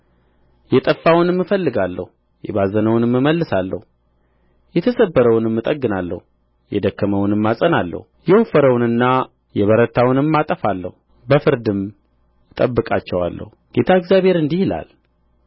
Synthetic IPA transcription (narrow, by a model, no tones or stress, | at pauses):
jɛt̪ʼəfːawʊnɨmːɨfəlːɨɡalːə̰hu | jɛbazənəwʊnɨmːɨməlːɨsalːə̰hu | jɛt̪ʰəsəbːəɾəwʊnɨmːɨt̪ʼəɡːɨnalːə̰hu | jɛd̪əkːəməwʊnɨmːasʼənalːə̰hujɛwofəɾəwʊnɨnːa | jɛβəɾət̪ʰawʊnɨmːat̪ʼəfalːə̰hu | bəfɨɾd̪ɨm | t̪ʼəbːɨkʼa̰t͡ʃːɛwa̰lːə̰huɡ̥e̞t̪ʰaɨɡzjaβhe̞ɾɨnd̪ihla̰l